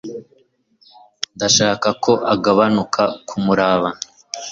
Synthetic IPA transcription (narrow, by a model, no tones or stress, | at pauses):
ndaʃaːkakʰo̞ʔaɡaβanukʰakʰumuɾaːβa